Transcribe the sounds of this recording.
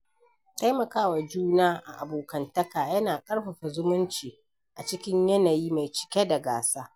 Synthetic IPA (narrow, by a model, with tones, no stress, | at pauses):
ta˦jmɐ˨kaː˦wa˨d͡ʒuː˦naː˦ʔa̰˨ʔa˨boː˨kɐ˨ntɐ˦kaː˨jɐ˦naː˨kʼɐ˦ɽɸɐ˨ɸa˨zʊ˦mʊ˦nt͡ʃiː˨ | ʔa˨t͡ʃɪ˦kʲɪ˦ɲjɐ˦naː˨jiː˦ma˨jt͡ʃɪ̥˨kʲe˦da˨ɡa̰ː˨saː˦